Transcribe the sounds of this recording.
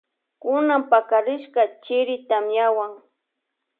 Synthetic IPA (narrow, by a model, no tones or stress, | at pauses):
kʊnampakaɾɪʃkat͡ʃɪɾɪt̪amjawaŋ